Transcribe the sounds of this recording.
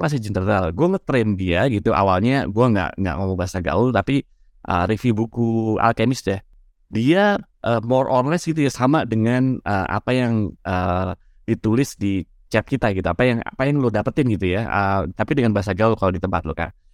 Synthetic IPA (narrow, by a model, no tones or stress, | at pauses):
kas̬ɪd͡ʒənərɾalɡuaŋət̪ɾɛndiaɡit̪uʔa̰walɲaɡuaŋɡa̰ʔŋɡa̰ʔmomaŋbaɦasaɡa̰ʊlt̪api | ʔə̰rifibukua̰lkemɪsdɛh | diaʔəːmɔrʔɔnlɛsɡit̪ujasamadəŋanʔəʔa̰pajaŋʔə | dit̪ulɪsdi | t͡ʃɛt̪̚kit̪aɡit̪uapajaŋa̰pajaŋlodapət̪ɪnɡit̪ujaət̪apidəŋanbaɦas̬aɡaʊlkalodit̪əmpat̪̚loka̰n